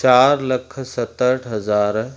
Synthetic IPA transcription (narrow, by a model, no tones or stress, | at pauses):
t͡ʃaːɾləkʰsɐt̪əʈʰɦəzaːɾ